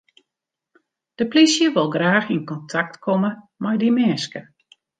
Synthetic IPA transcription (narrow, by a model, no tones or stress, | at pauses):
d̥əplisjəʋolˠɡraːxinkɔntʰak̚tkʰɔmə | mɛjdimɛːskə